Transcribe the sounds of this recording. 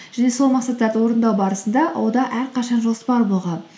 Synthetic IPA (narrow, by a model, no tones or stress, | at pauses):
ʒ̥æne̞so̞lˠmɑqsɑt̪ːɑɾd̪əwo̞ɾənd̪ɑwbɑɾəsənd̪ɑʔɑ̰wod̪ɑʔæɾqʰɑʃɑnʒo̞spɑɾbo̞lˠʁɑn